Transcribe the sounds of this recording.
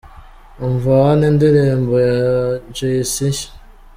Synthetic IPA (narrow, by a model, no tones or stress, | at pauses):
oɱvaanendiɾeːmbojad͡ʒeisiʃ